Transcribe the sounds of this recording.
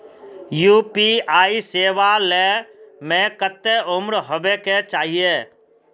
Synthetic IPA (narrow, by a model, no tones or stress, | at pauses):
juːpiaːiseːʋalemẽkət̪ːeʊmɾɦəbeket͡ʃaːɦijeː